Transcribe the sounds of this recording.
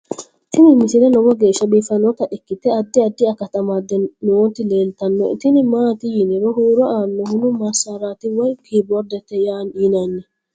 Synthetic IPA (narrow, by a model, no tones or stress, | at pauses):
t̪ɪnɪmɪsɪlɛnɔwɔɡe̞ːʃːɐbiːfɐnːɔt̪ɐʔɛkːɪt̪ːɛɐd̪ːɪɐd̪ːɪɐkɐt̪ɐmad̪ɛnɪwɔnt̪ːɪleːlt̪ɐnːɔ̰t̪ɪnɪmaːt̪ɪjɪnɪɾɔhuːɾɔʔaːnːɔhʊnʊmɐɾsaɾaːt̪ɪwɔjkʰiːbɔɾd̪ɛt̪ːɛjaːniːnɐnːɛ